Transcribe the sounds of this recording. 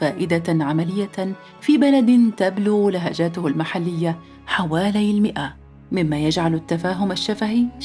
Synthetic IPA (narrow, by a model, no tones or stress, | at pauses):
faːʔɪd̪aʕamalɪjːa | fiːbalad̪t̪ablʊɣlɪɦaːd͡ʒaːt̪ʊhalmaħalːɪjːa | ħawaːlajlmɪʔa | mɪmːaːjad͡ʒʕalat̪ːafaːɦʊmaʃːafahiː